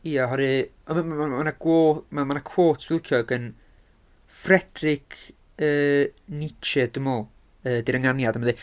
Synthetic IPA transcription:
iːaɦɔɾɨɔməaanaɡ̥woːmamanakʰwoːtʰv̥ɪlˠkʰjɔɡən | frɛd̥rɪkʰ | əːnɪt͡ʃɛd̥əmɔlˠ | əːdiɾəŋanjadaməðe

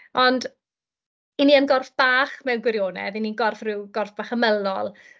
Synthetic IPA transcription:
ɔnd | iniənɡɔrfb̥aːχmɛwnɡwɪɾjoːnɛ̰ðininɡɔrfrɪwɡɔrfb̥aːχəməlˠɔlˠ

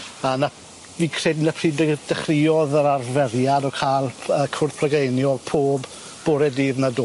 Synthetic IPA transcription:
ana | viːkʰr̥ednapʰriːd̥əχrɪɔðəɾarvɛrjadɔkʰaːlˠəkʰʊrθpʰrəɡejnjɔɡ̥̚pʰoːb | b̥oɾɛdiːðnadoː

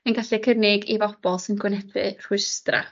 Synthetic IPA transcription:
ənɡaɬɛkʰərnɪɡivɔb̥ɔlˠsɪnɡwɪnɛdwɨ̰r̥ʊstra̰

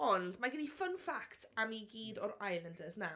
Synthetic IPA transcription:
ɔndmaɡɪnifənfaktʰamiɡiːdɔɾajlˠəndəzna

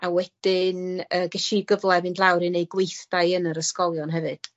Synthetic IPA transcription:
awɛd̥ɪnəːɡəʃiɡəvlˠɛvɨndlˠawɾɨnejɡwejθd̥ajənəɾəskɔlˠjɔnɦɛvɨd̥

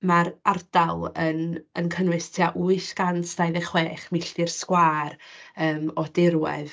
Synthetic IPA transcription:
maɾard̥alˠənənkʰənwɨstʰiaʔuːɨɬɡ̥antʰd̥ajðɛχweːχmɪɬdɪrskwaːɾəːmɔdɪɾwɛ̰ð

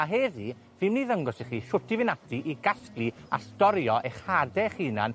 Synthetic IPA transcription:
aɦɛði | vɨmniːðəŋɡɔsiχiːʃʊtʰivɪnatʰiʔiɡasklˠia̰stɔɾjɔʔeχhadɛχiːna̰n

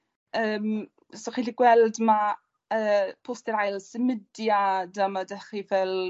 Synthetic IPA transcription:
əːm | sɔχiɬiɡwɛlˠdma | əːpʰʊstɛɾajlˠsəmədjadamadɛχivɛl

